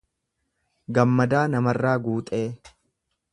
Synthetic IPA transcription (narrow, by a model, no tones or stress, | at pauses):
ɡɐmːɐd̪aːnɐmɐrːaːɡuːt̪ʼe̞ː